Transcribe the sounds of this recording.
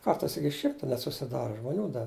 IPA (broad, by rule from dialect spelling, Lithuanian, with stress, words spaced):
ˈkɐrtɐɪs ˈɪkʲɪ ˈʃʲɪmtɐ nʲɛt sʊsʲɪˈdɑːrɐ ʒmoːˈnʲuː dɐ